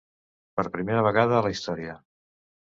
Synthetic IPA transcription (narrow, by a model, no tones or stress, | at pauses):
pəɾpɾimeɾəβ̞əɣaðəːləist̪ɔɾiə